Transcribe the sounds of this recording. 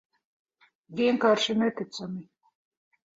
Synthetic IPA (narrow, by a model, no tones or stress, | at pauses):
vʲiɛŋkaːɾʃinɛt̪it̪sami